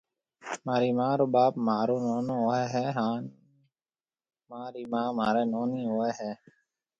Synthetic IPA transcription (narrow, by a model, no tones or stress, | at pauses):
maːɾiːmãːɾoːɓaːpmaːɾoːnoːnõːɦoːɛːɦɛːɦãːn | maːɾiːmãːmaːɾeːnoːniːɦoːeːɦɛː